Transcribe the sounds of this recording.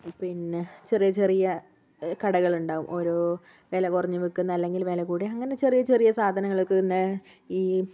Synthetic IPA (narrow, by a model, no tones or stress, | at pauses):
pinːet͡ɕe̞rijɐt͡ɕe̞rijɐ | kɐɽɐɣɐɭuɳɖaːʋumʔo̞ːɾoː | ʋe̞ːlɐkurɐɲːɨʋikːunːɐɐlːe̞ŋɡilʋe̞ːlɐkuːɽiɐŋːɐne̞t͡ɕe̞rijɐt͡ɕe̞rijɐsaːd̪ʱɐnɐŋːɐɭokːɨnːe | iː